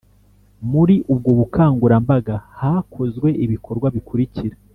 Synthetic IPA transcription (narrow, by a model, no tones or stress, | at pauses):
muɾiʔub̚ɡo̞βukʰaːŋɡuɾambaɡahaːkʰo̞zɡwe̞ʔiβikʰo̞ɾɡwaβikuɾiciɾa